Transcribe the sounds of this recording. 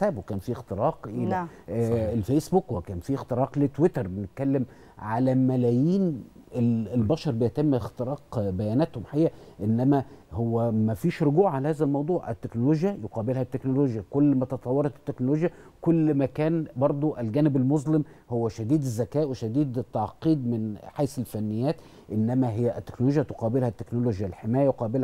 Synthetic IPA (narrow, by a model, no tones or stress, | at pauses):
sæːbokæːnfiext̪eɾɑːqʔel | lfesbukwkæːnfiːext̪eɾɑːqlet̪wet̪ɑɾˤbenet̪̚kælːem | ʕalæmælæjiːn | elelbæʃɑɾˤbejæt̪emːxt̪eɾɑːqbæjæːnæːt̪homħaeːæʔenːæmæhowːæmæfiːʃɾoɡuːʕalæhæːzælmɑwd̪ˤuːʕʔḛt̪ːeknoloːʒjæjoqɑːbelhæt̪ːeknoloːʒjækolːmæt̪ɑt̪ˤɑwːɑɾˤɑt̪e̥t̪ːeknoloːʒjæ | kolːmækæːnbɑɾˤd̪ˤoʔælɡæːnɪbælmozlem | howːæʃæd̪iːd̪ezːækæːʔweʃæd̪iːd̪t̪ːɑʕqiːd̪mɪnħajsɪlfænːɪjːæːt̪ | ʔenːæmæɦɪjːæʔt̪ːe̥knoloːʒjæt̪oqɑːbelhæt̪ːeknoloʒjælħemæːjæjoqɑːbɪlh